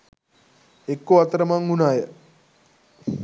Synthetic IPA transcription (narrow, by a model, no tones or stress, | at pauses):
ekːoat̪əɾəmaŋunaːjə